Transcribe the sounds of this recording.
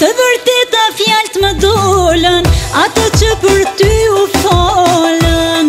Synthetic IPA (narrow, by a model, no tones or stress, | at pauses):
t̪əvəɾt̪et̪afijalt̪məd̪olənat̪ɔt͡ɕəpəɾt̪yufɔlən